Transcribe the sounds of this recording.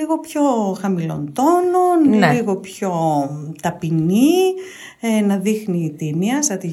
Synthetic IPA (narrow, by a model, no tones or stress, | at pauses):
iɣo̞pço̞xɐmilo̞̰nd̪ononliɣo̞pço̞t̪ɐpiɲi | enɐðixniːt̪imiɐst̪ɾɐt̪i